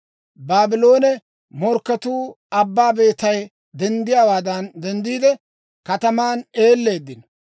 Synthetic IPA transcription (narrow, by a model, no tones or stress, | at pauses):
baːbɪlo̞ːnɛ | mɔɾkːɐt̪uː | ɐbːaːbe̞ːt̪ːɐj | d̪ɛnd̪ɪjaːwaːd̪ɐnd̪ɛnd̪iːd̪ɛ | kɐt̪ɐmaːne̞ːlːe̞ːd̪ːɪn